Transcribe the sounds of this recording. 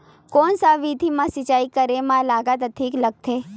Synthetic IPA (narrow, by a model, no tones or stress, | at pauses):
konsaʋid̪ʱimãsit͡ʃaikəɾemãlaɡat̪ət̪ʰikləɡ̚t̪ʰe